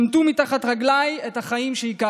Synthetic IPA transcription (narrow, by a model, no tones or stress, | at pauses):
mt̪umitaχatʁaɡlajethaχaimʃeika